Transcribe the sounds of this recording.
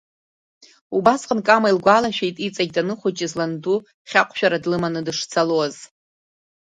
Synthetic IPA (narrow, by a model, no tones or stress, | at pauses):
ubasqʼənkʼamailɡʷalaʃᶣejtʼit͡sʼaɡʲdanɨχʷʊt͡ʃʼɪzlandu | χʲaqʷʼʃᶣaɾadlɨmanɨdɨʂt͡sʰaloz̥